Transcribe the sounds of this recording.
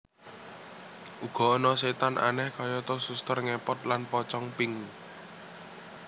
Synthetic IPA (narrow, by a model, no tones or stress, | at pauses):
ʔuɡ̥ɔ̤ːnɔset̪anʔa̰nɛhkɔjɔt̪ʊsust̪ərŋɛpɔt̪̚lanpɔt͡ʃɔŋpɪŋ